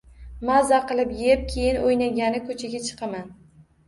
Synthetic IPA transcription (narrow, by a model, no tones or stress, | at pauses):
mazaqʰɨlˠɪpjp̚kʲʰe̞jɪnojnaɡʲanɪkʰɵt͡ʃʰaɡʲat͡ʃʰɨ̥qʰɑman